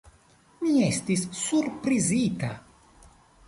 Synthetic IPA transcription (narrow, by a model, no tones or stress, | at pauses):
miɛst̪isːurpɾizit̪a̰